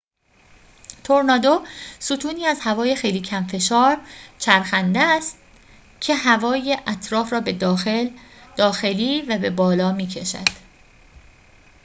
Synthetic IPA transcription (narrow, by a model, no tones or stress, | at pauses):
t̪ʰo̞ɾnɒːd̪osut̪ʰuːniːæzhævɒːje̞xe̞jliːcʰæmfe̞ʃɒːɾt͡ʃʰæɾxænd̪eæst̪ | cʰe̞ɦævɒːjeʔæt̪ʰɾɒːfɾɒːbe̞d̪eld̪̥ɒːxe̞liːvæbe̞bɒːlɒːmiːcʰe̞ʃæ̰d̪̥